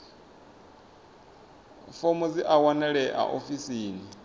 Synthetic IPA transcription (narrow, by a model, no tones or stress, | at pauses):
fomud͡ziʔawanɛɺɛʔa̰ʔofisiːni